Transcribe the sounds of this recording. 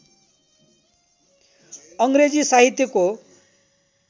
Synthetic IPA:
ʌŋɡɾed͡zisaɦit̪jʌko

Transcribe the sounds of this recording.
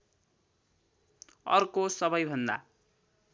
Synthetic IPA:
ʌ̰rkosʌβʌjbʱʌnd̪a̰

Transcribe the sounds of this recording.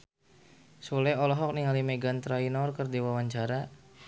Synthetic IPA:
sulɛɔlɔɦɔk̚niŋalimeɡant̪ɾainɔrkərdiwawaɲt͡ʃaɾa

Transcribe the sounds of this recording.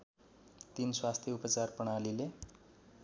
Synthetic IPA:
t̪inswast̪ʰjʌupʌt͡sarpʌɽ̃alile

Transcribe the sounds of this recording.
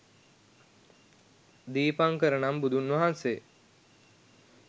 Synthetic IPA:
d̪iːpaŋkəɾənambud̪unʋɐɦanse

